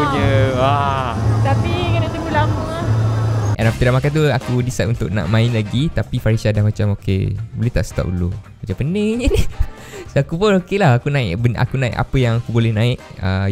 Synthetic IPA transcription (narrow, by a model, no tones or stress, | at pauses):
ɲəwa | t̪apikənat̪imulamoŋa | ʔɛ̰napt̪idaʔmakant̪̬uakudisaʔunt̪ʊk̚nã̰ʔmãɪnlaɡit̪apifaɾisadahmat͡ʃamokḛbolet̪aʔsə̥t̪a̰ʔṵlomat͡ʃapəneŋɲəni | soakupʊnokelahakunãɪkbna̰kunãɪ̰ʔa̰pəjaŋakubolɛhnãɪʔə̰